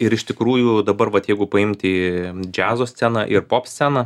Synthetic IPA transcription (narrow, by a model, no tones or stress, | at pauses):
ɪɾɪʃt̪ʲɪkɾuːjuːd̪ɐbɐrʋɐt̪jɛɪɡʊpɐɪmʲt̪ʲid͡ʒʲæːzoːsʲsʲænɑʔɪɾpoːpsʲt̪t͡sʲsʲænɐ